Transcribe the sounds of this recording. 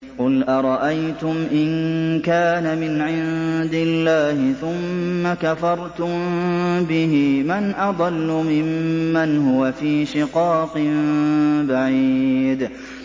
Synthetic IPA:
qʊlʔɑɾˤɑʔajt̪ʊmʔɪnkaːnamɪnʕɪnd̪ɪlːaːhɪθʊmːakafɑɾˤt̪ʊmbɪɦɪmanʔɑd̪ˤɑlːʊmɪmːanɦʊwafiːʃɪqɑːqɨmbaʕiːd̪

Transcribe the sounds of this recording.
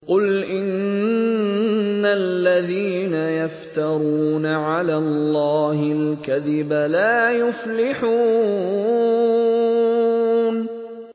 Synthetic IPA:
qʊlʔɪn | alːaðiːnajaft̪ɑɾˤuːnaʕalaːllˤːɑːhɪlkaðɪbalaːjʊflɪħuː | n

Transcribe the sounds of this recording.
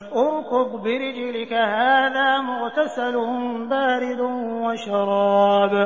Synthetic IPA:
ʔʊɾkʊqbɪɾɪd͡ʒlɪkahaːðaːmʊɣt̪asalʊhʊmbaːɾɪd̪waʃɑɾˤɑːb

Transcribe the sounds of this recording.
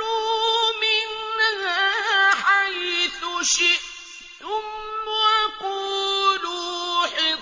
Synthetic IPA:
umɪnːah | ħajθʊʃɪʔ | θʊmːaʔaquːluħɪ

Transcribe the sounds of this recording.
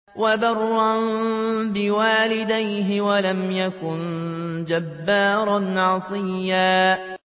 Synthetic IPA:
wabɑrˤːɑnbɪwaːlɪd̪ajɦɪwalamjakʊnd͡ʒabːaːɾˤɑnʕɑsˤɨjːaː

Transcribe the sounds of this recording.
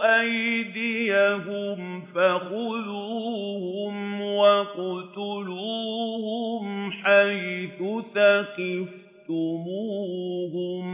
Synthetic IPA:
ʔajd̪ɪjaɦʊm | faqʊluːhʊmwaqʊt̪ʊluːhʊmħajθʊθaqɪf | t̪ʊmuːhʊm

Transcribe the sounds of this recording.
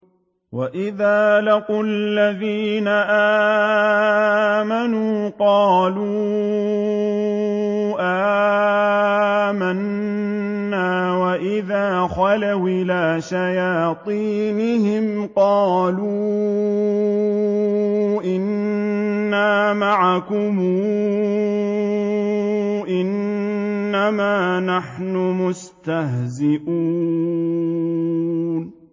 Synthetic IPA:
waʔɪðaːlɑqʊalːaðiːnaʔaː | manuːqɑːluː | ʔaː | manː | aːwaʔɪðaːxalawʔɪlaːʃajaːt̪ˤiːnɪhɪm | qɑːluː | ʔɪnː | aːmaʕakʊmuː | ʔɪnː | amaːnaħnʊmʊs | t̪aɦzɪʔuː | n

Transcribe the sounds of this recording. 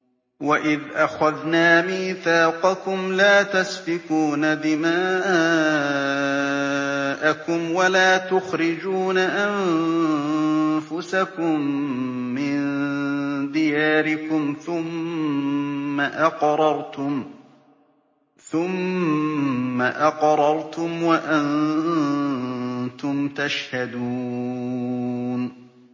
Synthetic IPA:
waʔɪðʔaxaðnaːmiːθaːqɑkʊmlaːt̪asbɪkuːnad̪ɪmaːʔ | ʔakʊmwalaːt̪ʊxɾɪd͡ʒuːnaʔan | fʊsakʊmː | ɪn | d̪ɪjaːɾɪkʊmθʊm | aʔɑqɾˤɑɾˤt̪ʊm | θʊm | aʔɑqɾˤɑɾˤt̪ʊmwaʔan | t̪ʊmt̪aʃhad̪uː | n

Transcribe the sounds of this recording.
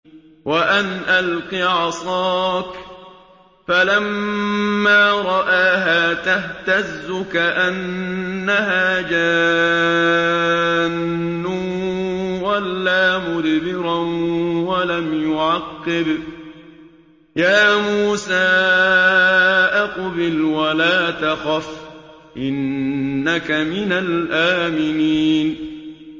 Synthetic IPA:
waʔanʔalqiʕɑsˤɑːk | falamː | aːɾˤɑʔaːɦaːt̪aht̪azːʊkaʔanːaɦaːd͡ʒaː | nːʊ | walːaːmʊðbɪɾɑnwalamjʊʕɑqːɪb | jaːmuːsaː | ʔɑqbɪlwalaːt̪axaf | ʔɪnːakamɪnalʔaːmɪniːn

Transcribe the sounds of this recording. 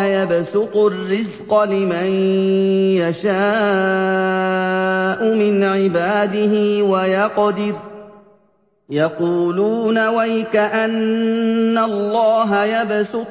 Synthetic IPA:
jabsʊt̪ʊrːɪzqɑlɪman | jaʃaː | ʔʊmɪnʕɪbaːd̪ɪɦɪwajɑqd̪ɪɾ | jɑquːluːnawajɪkaʔanː | alˤːɑːɦajabsʊ

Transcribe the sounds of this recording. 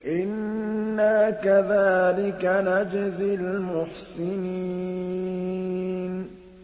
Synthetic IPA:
ʔɪnːaːkaðaːlɪkanad͡ʒɪzɪlmʊħsɪni | n

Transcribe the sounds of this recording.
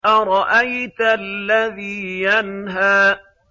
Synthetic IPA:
ʔaɾˤɑʔajt̪alːaðiːjanɦaː

